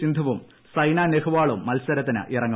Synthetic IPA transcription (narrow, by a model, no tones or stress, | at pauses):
ind̪ʱɐʋum | sɐjnaːnehuʋaːɭumːɐlsɐɾɐt̪ːinɨ̰ʔirɐŋːɐ